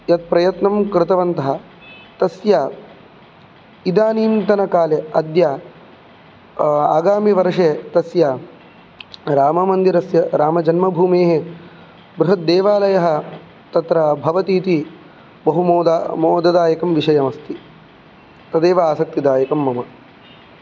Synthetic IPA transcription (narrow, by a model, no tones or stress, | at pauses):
jɐt̪̚pɾɐjɐt̪nɐmkɾɪt̪ɐʋɐnt̪ɐɦɐ̆ | t̪ɐsjaː | id̪aːniːnt̪ɐnɐkaːleɐd̪jaː | a̰ːɡaːmiʋɐɾʂeːt̪ɐsjaː | ɾaːmɐmɐnd̪iɾɐsjɐɾaːmɐd͡ʒɐnmɐbʱuːmeːɦe | bɾuɦɐt̪̚d̪eːʋaːlɐjɐɦɐ̆ | t̪ɐt̪ɾɐbʱɐʋɐt̪iːt̪i | bɐɦumoːd̪amoːd̪ɐd̪aːjɐkɐmʋiʂɐjɐmɐst̪i | t̪ɐd̪eːʋɐaːsɐk̚t̪id̪aːjɐkɐmːɐmɐ